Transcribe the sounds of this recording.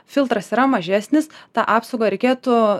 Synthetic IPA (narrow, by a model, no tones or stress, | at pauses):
fʲɪlˠt̪ɾɐsiːɾɐmɐʒʲæːsʲnʲɪst̪ɑːʔɑːpsɐoʊɡɐɾʲɛɪkʲeːt̪ʊ